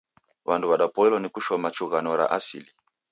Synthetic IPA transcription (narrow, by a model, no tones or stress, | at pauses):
wanduwaɗapɔɛlɔnikuʃɔmat͡ʃuɣanɔɾa̰ʔasili